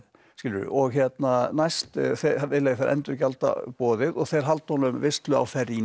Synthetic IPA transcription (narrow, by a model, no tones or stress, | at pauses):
skɪləɾʏ̰ʔɔɣçjɛt̪nanajst̪θɛʋɪlɛfɛɾʔɛ̰nt̪ɾʏcalt̪a̰pɔːðɪðɔɣθɛɾɦalt̪ɔnʏmvɪst̪lʏa̰wfɛɾi